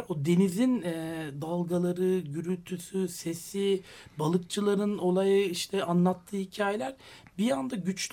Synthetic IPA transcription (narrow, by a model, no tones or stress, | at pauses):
ɾod̪e̞nizinɛd̪alˠɡalˠaɾɯɟyɾylt̪ʰysyse̞sibalˠɯkt͡ʃʰɯlˠaɾɯno̞lˠajɯiʃt̪ʰɛanlˠat̪ʰːɯːhicʰaːjelʲæɾbijand̪aɟyt͡ʃ